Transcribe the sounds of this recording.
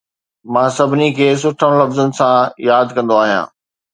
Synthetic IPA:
mãːsɐbʱɪnikʰeːs̬ʊʈʰəɽ̃lɐfzənɪ̆sãjaːd̪kɐ̃nd̪oaːɦijã̰ː

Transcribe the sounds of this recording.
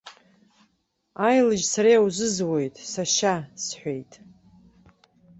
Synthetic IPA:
ajlɨʒsaɾijawzɨzwe̞jtʼsaʃasħʷejtʼ

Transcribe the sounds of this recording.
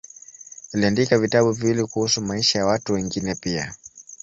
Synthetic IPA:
uliandikavitaɓuviwilikuhusumaiʃajawatuwɛŋɡinɛpia̰

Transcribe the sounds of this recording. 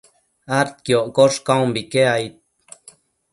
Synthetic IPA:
aɾt̪̚kjoʔkoʂkawmbikeajt̪̚

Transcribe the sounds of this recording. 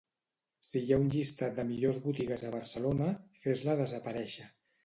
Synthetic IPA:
sijaunʲʎist̪ad̪əmiʎozβut̪iɣəzəβ̞əɾsəlonəfezləðəzəpəɾɛʃə

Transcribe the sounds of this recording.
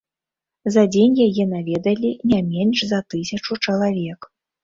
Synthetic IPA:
zɐd͡zʲenʲjajɛnavʲɛd̪ɐlʲinʲamʲɛnʲʂzɐt̪ɨsʲɐt͡ʂut͡ʂɐlˠavʲɛk

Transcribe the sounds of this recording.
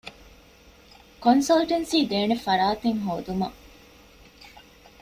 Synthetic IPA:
konsɐlʈensiːd̪eːnefɐɾaːt̪eŋɦoːd̪umɐ̰

